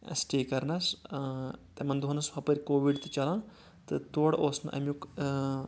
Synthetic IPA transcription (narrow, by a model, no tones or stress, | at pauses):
ɐ̰sʈeːkɐɾnɐs | t̪ɐmɐnd̪oɦɐnɐsʋɐpɐɾʲkoːʋiɖt̪ɨ̥t͡ʃɐlãː | t̪ɨt̪oːɽoːsnɨ̰ʔɐ̰mʲjuk